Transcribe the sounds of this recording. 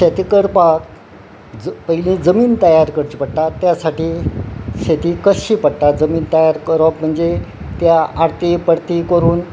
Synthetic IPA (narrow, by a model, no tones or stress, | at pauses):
ɕet̪ikəɾpak̚ | pəɦilĩd͡zəmiːnt̪əjaɾkəɾt͡ɕipəɽt̪at̪ːjasaʈiːɕet̪iːkəɕiːpəɽʈ̪ad͡zəmiːnt̪əjaɾkəɾapm̤əɳd͡ze | t̪jaaɾt̪epəɽt̪ikəɾuːn